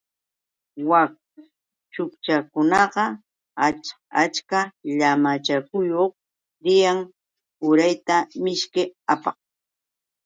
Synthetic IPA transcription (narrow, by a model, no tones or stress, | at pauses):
wak̚ | t͡ʃʊkt͡ʃakʊnɑɢɑ | a | at͡ʃkaʎamat͡ʃakʊjoχ | ɾɪjaŋ | ʊɾajt̪amɪʃkɪapɑ̰χ